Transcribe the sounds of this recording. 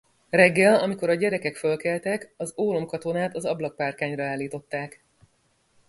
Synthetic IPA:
rɛɡːɛlɒmiko̞ɾɒɟɛɾɛkɛkfølkɛlt̪ɛkɒzoːlomkɒt̪o̞naːt̪ɒzɒblɒk̚paːrkaːɲrɒaːlːiːt̪o̞t̪ːaːk

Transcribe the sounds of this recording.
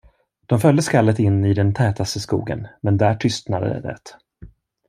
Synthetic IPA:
d̪̥ɔmfœld̪əskalːət̪ɪnːɪd̪ɛnt̪ʰɛːt̪ast̪əskṵːɡə̰nmɛnd̪æːʈʰʏst̪nad̪ə̰d̪ɛ̰d̪ɛ̰t̪

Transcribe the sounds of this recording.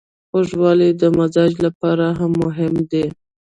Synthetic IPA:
oʒwɑlid̪əmazɑd͡ʒlapɑɾaɦamːʊɦɪmd̪e

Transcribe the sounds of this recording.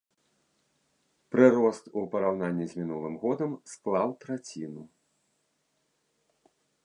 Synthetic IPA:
pɾɨɾɔst̪upɐɾawnanʲːizʲmʲin̪ulˠɨmɣɔd̪ɐmsklˠawt̪ɾat͡sʲinu

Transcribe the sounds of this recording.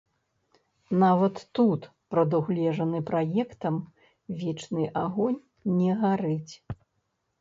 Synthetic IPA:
navɐt̪ːut̪pɾɐd̪uɣlʲɛʐɐnɨpɾajɛkt̪ɐm | vʲɛt͡ʂnɨʔaɣɔnʲː | ɛɣaɾɨt͡sʲ

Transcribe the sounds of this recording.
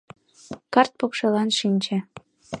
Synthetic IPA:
kɑrt̪̚pokʃelɑnʃinʲt͡ɕĕ

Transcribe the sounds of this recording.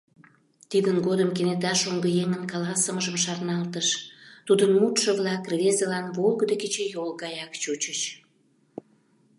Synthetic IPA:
t̪id̪ənɡod̪əmkenet̪ɑʃoŋɡəjeŋənkɑlɑsəməʒəmʃɑrnɑlt̪əʃt̪ud̪ənmut̪ʃə̆βlɑkrvezelɑnβolɡəd̪eket͡ɕejolɡɑjɑkt͡ɕut͡ɕət͡ɕ

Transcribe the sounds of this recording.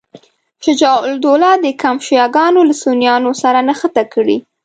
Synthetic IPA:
ʃad͡ʒɑʊld̪olɑd̪əkamʃjɑɡɑnolasonjɑnosaɾanaxət̪akəɽḭ

